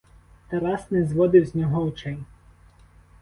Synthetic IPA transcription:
t̪ɐɾɑsnɛzʋɔd̪ɪwzʲnʲɔɦɔʊt͡ʃɛj

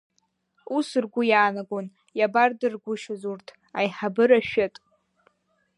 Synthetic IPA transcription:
usɨrɡʷʊjaːnaɡʷon | jabardɨrɡʷʊʃazurtʰ | ajħabɨɾaʃᶣɪtʼ

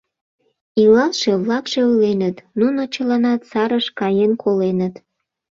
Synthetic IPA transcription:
ilɑlʃe̽βlɑkʃeulenət̪nunot͡ɕəlɑnɑt̪sɑɾəʃkɑjenkʰolenət̪

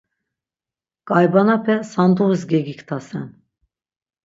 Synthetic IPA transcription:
ɡ̥ajbanapʰɛsand̪uɨzɡʲɛɡikt̪ʰasɛn

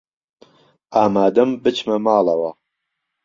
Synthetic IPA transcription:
aːmaːd̪ɐmbɨt͡ʃʰmɐmaːlɐwɐ

